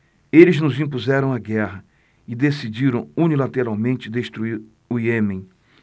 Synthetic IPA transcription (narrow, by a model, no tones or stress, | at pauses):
elɪznʊzĩpuzɛɾɐ̃w̃aɡɛɦɐ | ɪd̪esid͡ʒiɾɐ̃w̃unilat̪eɾawmẽnt͡ʃɪd̪est̪ɾuiɾ | ʊiemẽj̃